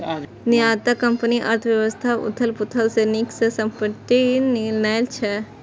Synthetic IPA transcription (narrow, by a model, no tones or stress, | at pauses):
nijat̪akɐmpəniʔɐ̰ɾt̪ʰəʋjɐʋəst̪ʰaʊ̰t̪ʰəlput̪ʰəlseniksesɐmpəʈininajlt͡ʃʰe